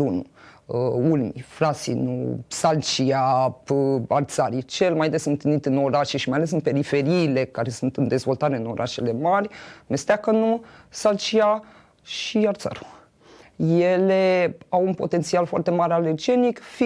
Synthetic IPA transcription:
unṵəulmḭfɾasḭnṵsalt͡ʃia | art̪saɾit͡ʃe̞lmajd̪e̞sɨnt̪init̪ɨno̞ɾaʃeʃimajale̞sɨnpe̞ɾife̞ɾiːle̞kaɾe̞sunt̪ɨnd̪e̞zvo̞lt̪aɾe̞ɨno̞̰ɾʔa̰ʃele̞marʲmest̪akənusalt͡ʃia | ʃiart̪sa̰ɾu | je̞leawunpo̞̰t̪e̞nt̪sialfoa̰rt̪e̞maɾealerd͡ʒe̞nikf

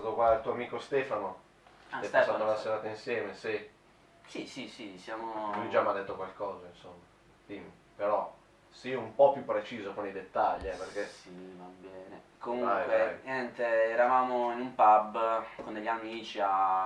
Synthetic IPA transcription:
aːt̪okwaalt̪uoamiːkost̪ɛːfano | ket̪asat̪oasseɾaːt̪einsjɛːmesi | sisisisjaːmoid͡ʒamajd̪et̪ːokwalkɔːzainsomːa | t̪im | peɾɔ | siumpɔpːjupːɾet͡ʃiːzokonejd̪et̪ːaʎːiɛperk̟esivabɛːne | komũŋakweɲɛnt̪eɛɾavaːmoinumpabːkond̪eʎːamiːt͡ʃia

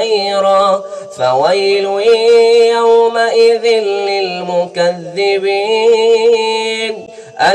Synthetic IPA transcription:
ɾɑ | fawajl | jawmaʔɪðɪnlɪlmʊkaðːɪbi | n | ʔa

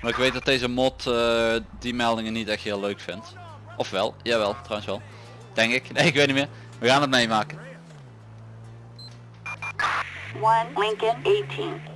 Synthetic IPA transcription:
maɪkʋejt̚dɑtdejzəmɔtədimɛlˠdɪŋənːitɛxtɦɪːløɥkfɪnt | ʔɔfʋɛ̰lˠjaːʋɛlˠtrɔwənsʋɛlˠ | d̥ɛŋkɪknejɪkʋeːt̚nimɪːɹ | ʋəɣaːnɦət̚mejmaːkən | wʌnlɪ̃ŋkɛneɪtʰĩn

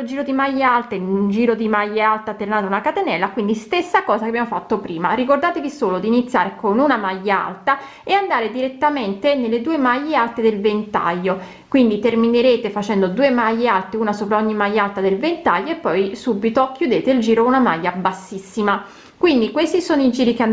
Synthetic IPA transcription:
old͡ʒiːɾod̪imajːealt̪enund͡ʒiːɾod̪imajːealt̪at̪ːernanaunakat̪enɛlːakwind̪ist̪esːakɔːzakeabjamofat̪ːopɾiːmarikord̪aːt̪evisoːlod̪iːnit̪sja̰ːɾekonunamajːaa̰lt̪a | eand̪aːɾed̪iɾet̪ːament̪enelːed̪uːemajːealt̪ed̪elvent̪a̰jːo | kwind̪it̪ermineɾeːt̪efat͡ʃɛnd̪od̪uːemajːealt̪eunasoːpɾaoɲːimajːalt̪ad̪elvent̪ajːoepːɔjsubit̪okʰjud̪eːt̪eild͡ʒiːɾounama̰jːabasːisːima | kwind̪ikwest̪isoːnoid͡ʒiːɾik̟ea

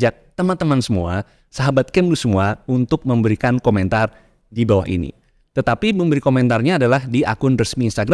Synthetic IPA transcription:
d͡ʒak̚t̪əmant̪əmansəmua | saɦabat̪̚kɛmlusəmuaunt̪ʊk̚məmbəɾikankomɛnt̪ar | dibawa̰ɦḭnḭ | t̪ət̪apiməmbəɾikomɛnt̪arɲaːdalahdiʔa̰kʊnrəsmiːnst̪aɡɾa

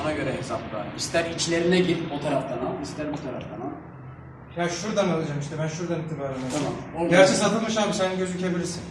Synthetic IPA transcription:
onaɟø̞ɾɛɦesapd̪a̰ist̪ʰæɾit͡ʃlʲe̞ɾinɛɟiɾot̪ʰaɾaft̪ʰanaist̪ʰæɾbut̪ʰaɾa̰ft̪ʰana | jaʃuɾd̪analˠɯd͡ʒamiʃt̪ɛbænʃuɾd̪anit̪ʰibaːɾanaamamoaisat̪ʰɯlˠmɯʃaːbɯʃɛnɟø̞zycʰebilʲiɾsin

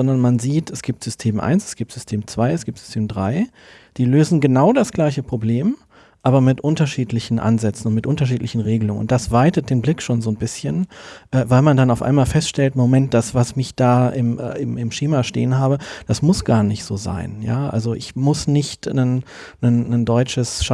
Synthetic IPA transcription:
zɔndɐnmanziːtʰɛsɡ̥iːp̚tz̥ʏstʰeːmʔa̰ɪnsɛ̥sɡ̥iːp̚tz̥ʏstʰeːmt͡sv̥aɪɛsɡ̥iːp̚tz̥ʏ̥stʰeːmdʁaɪ | d̥iːløːzn̩ɡənaʊdasɡ̥laɪçəpʁ̥obleːm | ʔaːbɐmɪtʔʊntɐʃiːtlɪçn̩ʔa̰nzɛt͡sn̩ʊntmɪtʔʊntɐʃ̬iːtlɪçn̩ʁeːɡəlʊŋənʊ̰ntd̥asv̥aɪtət̚d̥eːnblɪkʃoːnzoːnbɪsçənʔɛːvaɪlmandanaʊfʔa̰ɪnmaːlfɛstʃtɛltmomɛnt̚d̥asv̥asmɪçd̥aːɪmːɪmɪmʃeːmaʃtḛːənhaːbəd̥asmʊsɡ̥aːɐnɪçtz̥oːza̰ɪnja̰ːʔa̰lzoʔɪ̰çmʊsnɪçtnən | nənːəndɔʏt͡ʃəsʃ

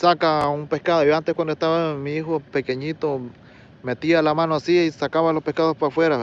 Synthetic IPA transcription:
sakaumpe̞hkaðojoant̪ehkwand̪oest̪aβamiixopekeɲit̪o | met̪ialamanoasiisakaβalope̞hkaðospafweɾa

